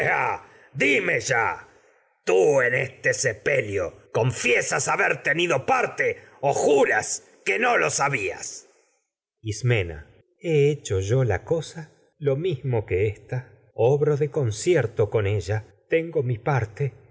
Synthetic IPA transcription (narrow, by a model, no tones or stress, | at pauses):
a̰ | d̪imeʒa̰ | t̪uenest̪esepeljokoɱfjesasaβeɾt̪eniðopaɾt̪e | oxuɾas | kenolosaβia̰s | ismena̰ | eet͡ʃoʒo̞la̰kosa | lo̞mizmokeest̪a | oβɾoðeko̞nsjeɾt̪oko̞ne̞ʒa | t̪eŋɡomipaɾt̪e